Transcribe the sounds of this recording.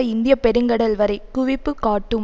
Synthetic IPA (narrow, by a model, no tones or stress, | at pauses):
ɐɪnd̪ɪjɐpɛɾɯŋɡɐɽɐlʋɐɾɐɪkʊʋɪpːɯkaːʈːɯm